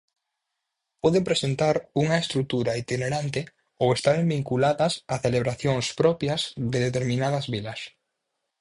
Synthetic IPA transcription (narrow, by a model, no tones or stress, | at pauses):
pɔðepɾesent̪aɾuŋɐest̪ɾut̪uɾait̪ineɾant̪ɪ | owest̪aɾembiŋkulaðɐsaθeleβɾaθjoŋspɾɔpjɐzðeðet̪eɾmĩnaðɐzβilɐs